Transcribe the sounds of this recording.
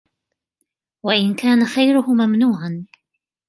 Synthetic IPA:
waʔɪnkaːnaxajɾʊhʊmamnuːʕan

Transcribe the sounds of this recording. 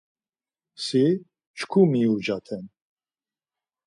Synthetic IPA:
si | t͡ʃʰkʰumiud͡ʒat̪ʰɛn

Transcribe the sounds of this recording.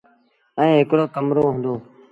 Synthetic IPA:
əẽːɦɪkɽoːkəmɾoːɦə̃nd̪oː

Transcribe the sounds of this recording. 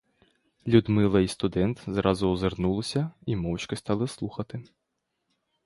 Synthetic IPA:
lʲud̪mɪlˠɐist̪ʊd̪ɛnt̪zɾɑzʊɔzernulˠɪsʲɐimɔwt͡ʃkɔst̪ɑlˠɪslˠuxɐt̪ɪ

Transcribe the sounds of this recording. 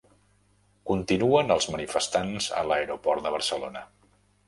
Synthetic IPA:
kunt̪inuənəlˠzmənifəst̪anzə̰ləeɾopɔɾt̪d̪əβərsəlo̰nə

